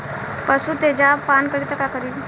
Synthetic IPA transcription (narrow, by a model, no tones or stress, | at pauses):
pəsut̪ed͡ʑapankəɽit̪əkakəɾiːl